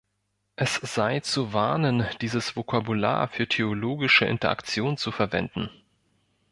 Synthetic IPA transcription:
ʔɛsz̥aɪt͡suvaɐnənd̥iːzəsv̥okʰabula̰ːɐfyːɐtʰeoloːɡɪʃəʔɪ̰ntɐʔa̰kt͡sjoːnt͡sufɛɐvɛ̰ndn̩

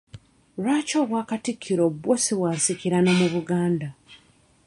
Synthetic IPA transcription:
ɾwaːcoːβwaːkatikʰːiɾo̞bwosiβwaːnsikiɾano̞muβuɡaːnda

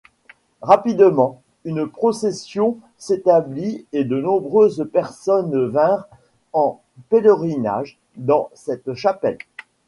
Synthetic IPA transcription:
ʁapid̪mɑ̃ | ynpχɔsɛsjɔ̃ | set̪ablied̪ənɔ̃bʁøzpɛʁsɔnvɛ̃ʁ | ɑ̃ | peləʁina̰ʒ | d̪ɑ̃sɛt̪ʃapɛl

